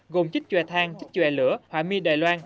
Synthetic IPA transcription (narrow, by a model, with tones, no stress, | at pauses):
ɣo˨˩mt͡ɕi˦˥t͡ɕwɛ̰˧˨˩t̪ʰaː˧ŋt͡ɕi˦˥k̟̚t͡ɕwɛ̰˧˩lɨ̰˧˥˦əhwaː˧˩mi˧ɗa̰ː˧˨jlwaː˧n